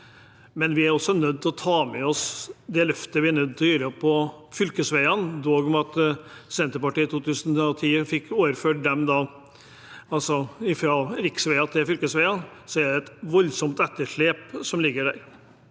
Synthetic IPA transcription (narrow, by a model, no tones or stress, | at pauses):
mɛnʋɪæɾɔsːɔnœd̪ːʰɪlɔt̪ʰɑːmɛɔsd̪ɛlœft̪əʋɪænœd̪ːt̪ʰljyːɾəpʰɔfʏlkəsʋæɪɑnd̪oːɡɔmɑt̪sɛnt̪əɾpɑʈiːt̪ʰuːt̪ʰʉːsənɔt̪ʰiːəfɪkːoːʋəɾføːʈ̚d̪ɛmd̪ɑː | ɑlsɔɪfɾɑːɾɪksʋæɪɑt̪ʰɪlfʏlkəsʋæɪɑnsɔæɖɛɛt̪ʋɔlsɔmt̪ɛt̪ːəʂɭeːpsɔmlɪɡːəɖæ̰ɾ